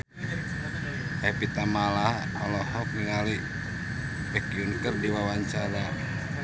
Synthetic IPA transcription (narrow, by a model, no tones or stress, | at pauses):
ɛpit̪amalah | ɔlɔhɔk̚niŋali | bɛkijunkərdiwawaɲt͡ʃaɾa